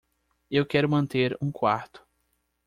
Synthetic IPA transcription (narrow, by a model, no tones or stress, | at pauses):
ewkɛɾʊmɐ̃nt̪eɾũkwaɾt̪ʊ̥